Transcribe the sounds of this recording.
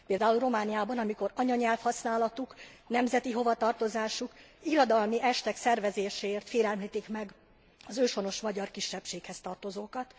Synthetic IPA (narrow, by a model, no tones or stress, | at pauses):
peːld̪aːulro̞maːnijaːbɒnɒmiko̞ɾɒɲɒɲɛlfhɒsnaːlɒt̪uknɛmzɛt̪iɦo̞vɒt̪ɒrt̪o̞zaːʃukiɾod̪ɒlmiʔɛʃt̪ɛksɛrvɛzeːʃeːrt̪feːlɛlmliːt̪ikmɛɡ | ɒzøːʃo̞no̞ʃmɒɟɒrkiʃːɛpʃeːkhɛst̪ɒrt̪o̞zoːkɒt̪